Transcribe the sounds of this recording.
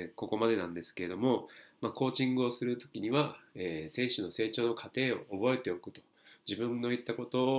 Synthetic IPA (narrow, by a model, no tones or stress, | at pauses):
ko̞ko̞mad̪e̞nãnd̪e̞sɨ̥ke̞ɾe̞d̪o̞mo̞mako̞ːt͡ɕĩŋɡɯ̟o̞sɨɾɯ̟t̪o̞̥kʲiɲ̟iβaeːse̞ːɕono̞se̞ːt͡ɕo̞ːno̞kʰat̪e̞ːo̞ːbo̞e̞t̪e̞o̞kɯ̟̥t̪o̞̥ | d͡ʑibɯ̟̃nːo̞it̪ːako̞t̪o̞ː